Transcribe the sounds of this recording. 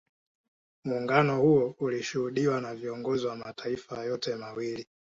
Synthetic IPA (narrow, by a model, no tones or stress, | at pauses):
muːŋɡanɔhuɔuliʃuhuɗiwanaviɔŋɡɔziwamatʰaifajɔtɛmawili